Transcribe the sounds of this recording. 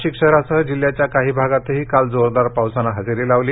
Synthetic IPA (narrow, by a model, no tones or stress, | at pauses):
ɕikʂəɾasəɦəd͡ʑiljat͡ɕjakaɦiːbʱaɡat̪əɦiːkald͡zoɾd̪aɾpawsanaɦəd͡ziɾiːlaʋliː